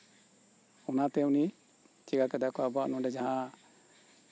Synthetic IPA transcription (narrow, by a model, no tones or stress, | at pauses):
ɔnat̪ɛuni | t͡ʃiɡakɛd̪akɔabaʔnɔ̃ɖɛd͡ʒaɦã